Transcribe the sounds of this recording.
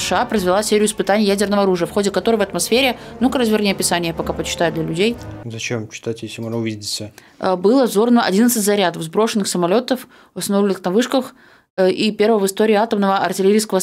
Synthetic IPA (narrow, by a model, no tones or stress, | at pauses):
ə̥ʂɨapɾəzvʲɪlˠasʲeɾʲɪjʊɪspɨt̪anʲɪjəjædʲɪrnəvəɐɾuʐɨjəfxo̞dʲɪkɐt̪o̞ɾəjvɐt̪mɐsfʲeɾʲɪnukɾaszʲvʲɪrnʲejəpʲɪsanʲɪjəpɐkapət͡ɕːɪ̥t̪ajʊd̪lʲɐlʲʉdʲejzɐt͡ɕemt͡ɕɪ̥t̪atʲjesʲɪmoʐnəʊvʲidʲɪdʲɪt̪sə | bɨlˠəvzo̞rnvəʔɐ̰dʲinət̪sɨtʲzɐɾʲad̪əvzbɾo̞ʂɨnːɨxsəmɐlʲo̞t̪əf | vɐst̪ɐnovlʲɪnɨxnɐvɨʂkəx | ʔipʲe̞rvəvɨst̪oɾʲɪːat̪əmnəvəʔɐrtʲɪlʲɪɾijskəvə